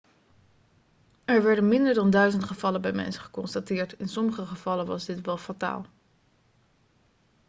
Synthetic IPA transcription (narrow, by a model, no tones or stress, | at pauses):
ɛɹʋɛɹdənmɪndəɹdɑndœɥzəntχəv̥ɑləbɛjmɛ̰nsə̥χə̥kɔnstatɪːɹtɪnsɔməχəχəv̥ɑlənʋɑzdɪtʋɛlˠfata̰ːlˠ